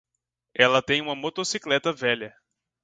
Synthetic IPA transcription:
ɛlɐt̪ẽj̃ũmɐmot̪osiklɛt̪ɐvɛʎɐ

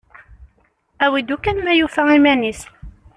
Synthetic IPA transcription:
æwid̪ukænmæjufæimænis

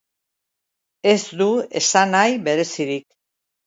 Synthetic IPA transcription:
e̞zd̪ue̞sanajβe̞ɾe̞siɾik

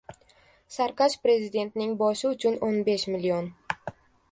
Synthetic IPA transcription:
saɾqaʃpɾe̞zɪd̪e̞nt̪nɪŋbɒʃɪʊt͡ʃʰʊnonbe̞ʃmɪlion

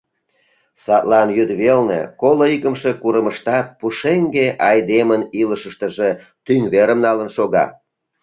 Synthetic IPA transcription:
sɑt̪lɑnjyd̪βelnḛkoloikəmʃekuɾəməʃt̪ɑt̪̚puʃeŋɡeʔɑjd̪eməniləʃəʃt̪əʒe | t̪yŋβeɾəmnɑlənʃoɣɑ̰

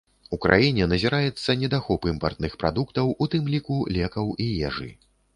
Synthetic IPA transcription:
ukɾʔa̰jinʲɛnɐzʲɛɾajɛt̪sːɐnʲɛd̪axɔpɨmpɐ̰rt̪nɨxpɾa̰d̪ukt̪ɐwut̪ɨmlʲikulʲɛkɐwijɛʐɨ̰

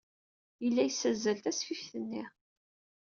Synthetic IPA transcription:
jəlːæjsːæzːælt̪æsfifθənːi

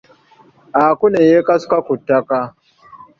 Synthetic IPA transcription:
ʔakunejekaskakʷʊtːaka

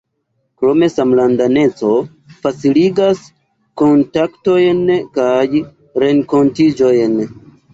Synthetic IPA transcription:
kɾome̞samlandane̞t͡so̞ | fat͡siliɡas | ko̞ntakto̞jnkaj | ɾe̞ŋko̞ntid͡ʒo̞jn

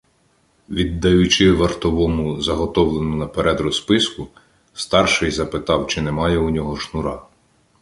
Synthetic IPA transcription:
ʋʲid̪ːɐjʊt͡ʃɪʋɐrt̪ɔʋɔmʊzɐɦɔt̪ɔwlˠenʊnɐpeɾɛd̪ɾɔspɪskʊ | st̪ɑrʃɪjzɐpɪt̪ɑwt͡ʃɪnɛmɑjɛunʲɔɦɔʃnʊɾɑ

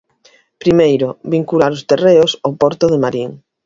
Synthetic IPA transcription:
pɾimejɾobiŋkulaɾʊst̪ereʊsopɔɾt̪ʊðemaɾiŋ

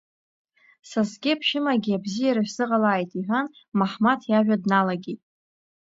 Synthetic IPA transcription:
sasɡʲɪpʰʃɪmaɡʲɪabzijaɾaʃʷz̥ɨqʼalaːjtʼiħʷan | maħmatʰjaʒʷᶣadnalaɡʲitʼ

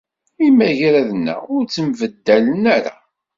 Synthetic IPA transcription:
imæʝɾæðənːæ̰ʊɾt͡sːəmvəd̪ːælənæɾa̰

